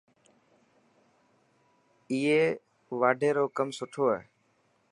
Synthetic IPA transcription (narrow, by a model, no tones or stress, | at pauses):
iːeː | ʋaːɖʱeːɾoːkəmsʊʈʰoːɦḛː